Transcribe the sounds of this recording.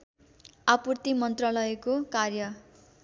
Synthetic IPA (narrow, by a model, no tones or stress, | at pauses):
apurt̪imʌnt̪ralʌekokarjʌ